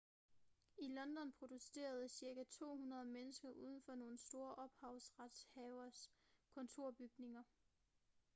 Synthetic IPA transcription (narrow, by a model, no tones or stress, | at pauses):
ilɒ̽nd̥ɒ̽npʰʁo̝d̥use̝̰ːɐð̞ˠəsiɐɡ̥æt͡sʰo̝̰ːhunʁɐð̞ˠmenəsɡ̥ɐʔuð̞ˠən̩fɒ̽no̝ːn̩sd̥o̝ːɐʔɒ̽b̥hɑ̈ʊ̰sʁad̥shɛʊɐskʰɔ̽nt͡sʰo̝ɐ̰b̥yɡ̥ne̝ŋɐ